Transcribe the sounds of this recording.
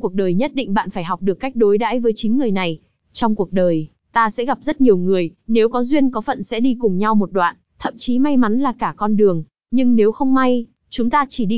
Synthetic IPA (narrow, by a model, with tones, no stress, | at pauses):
ku˨˩ək̚ɗəː˨˩jɲə˦˥t̚ɗḭ˧˨ŋ̟ɓa̰ː˧˨nfaː˧˩jɦa˨˩wk͡p̚ɗɨ˨˩əkːa˦˥jk̚ɗo˨˦jɗa̰ː˧˥jvəː˨˦jt͡ɕï˨˦ŋ̟ŋɨ˨˩əjna˨˩j | t͡ɕɔ˧wŋ͡mku˨˩ək̚ɗəː˨˩j | t̪aː˧sɛ̰˧˥ɣa˨˩p̚z̥ə˦˥t̚ɲi˨˩əwŋɨ˨˩əjne˨˦wkɔ˨˦zwi˧ənkɔ˨˦fə̰˧˨nsɛ̰˧˥ɗi˧kʊ˨˩ŋ͡mɲa˧wmo˨˩t̚ɗwa̰ː˧˨nt̪ʰə̰˧˨mt͡ɕi˨˦ma˧jma˨˦nlaː˨˩kaː˧˩kɔ˧nɗɨ˨˩əŋ | ɲɨ˧ŋne˨˦wxə˧wŋ͡mma˧j | t͡ɕʊ˨˦ŋ͡mt̪aː˧t͡ɕi˧˩ɗi˧